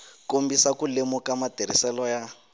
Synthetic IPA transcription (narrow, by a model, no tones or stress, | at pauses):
kombisakulemukamateɾ̤ḭsɛlɔja